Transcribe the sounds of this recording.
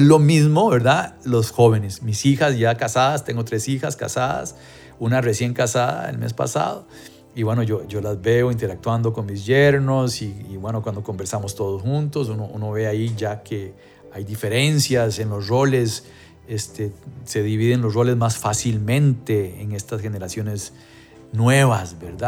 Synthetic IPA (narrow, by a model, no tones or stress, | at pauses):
lo̞mizmo̞βe̞ɾðalo̞sxo̞βe̞ne̞smisixasʝakasaðast̪e̞ŋɡo̞t̪ɾe̞sixaska̰saða̰s | unaresje̞ŋkasaða̰ḛlmḛspa̰sa̰ð̞o | iβwe̞no̞ʝoʝo̞lazbe̞oint̪e̞ɾak̚t̪wand̪o̞ko̞nmizʝeɾnosiːβwe̞no̞kwand̪oko̞mbeɾsamost̪o̞ð̞osxunt̪o̞sunoʔuno̞βeaiʝakʰe | ajd̪ife̞ɾe̞nsjasenlosro̞le̞s | est̪ese̞ðiβiðenlosro̞le̞zmasfasilmẽ̞nt̪e̞ːŋe̞st̪asxe̞ne̞ɾasjo̞ne̞s | nwe̞βasbeɾd̪a